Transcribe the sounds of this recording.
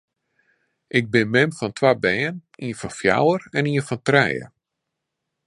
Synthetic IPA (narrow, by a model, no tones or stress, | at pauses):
ʔɪɡ̚bɪnmɪmfɔntʰwabɛːəniənfɔnfja̰wərɛniːəfɔntrɛ̰jə̰